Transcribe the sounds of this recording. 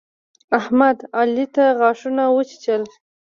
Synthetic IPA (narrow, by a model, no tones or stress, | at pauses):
ahmad̪alit̪aɣɑʂunawət͡ʃt͡ʃəl